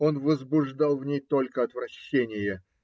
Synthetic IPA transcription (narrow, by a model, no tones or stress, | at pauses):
o̞nvəzbʊʐd̪ɑlˠvnʲejt̪o̞lʲkəɐt̪vɾɐɕːenʲɪjə